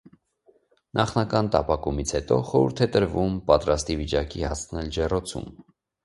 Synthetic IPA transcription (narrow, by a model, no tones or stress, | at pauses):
nʔɑχnɑkɑnt̪ɑpɑkumit͡sʰhɛt̪ɔ̰χɔɾṵɾt̪ʰɛt̪əɾvumpɑt̪ɾɑst̪ivit͡ʃɑkihɑsʰnɛld͡ʒɛrɔt͡sʰṵm